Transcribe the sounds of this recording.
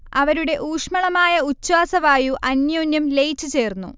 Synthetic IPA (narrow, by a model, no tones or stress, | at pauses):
ɐʋɐɾuɽe̞ʔuːʂmɐɭɐmaːjɐut͡ɕːwaːsɐʋaːjuʔɐnjo̞ːnjɐmle̞jt͡ɕːut͡ɕe̞ːrnːṵ